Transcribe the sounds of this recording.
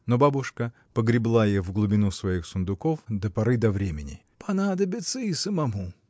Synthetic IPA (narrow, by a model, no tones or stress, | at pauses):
nobabʊʂkə | pəɡɾʲɪblˠajevɡlˠʊbʲɪnusvɐixsʊnd̪ʊkofd̪əpɐɾɨd̪ɐvɾʲemʲɪnʲɪ̰ | pʰɐnad̪əbʲɪt̪səisəmɐmu